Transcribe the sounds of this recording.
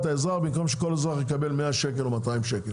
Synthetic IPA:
t̪aezʁaʁbimko̞mʃeko̞lezʁaʁjekabe̞lmeaʃek̬elomataimʃekel

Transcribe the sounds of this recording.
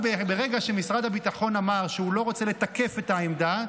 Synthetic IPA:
bebeʁeɡaʃemisʁad̪habit̪aχo̞namaʁʃeulo̞ʁo̞t͡se̞le̞t̪ake̞fe̞t̪aemd̪a

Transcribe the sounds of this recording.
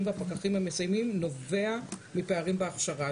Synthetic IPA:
mveapakaχimhamesajmimno̞veamipeaʁimbeaχʃaʁa

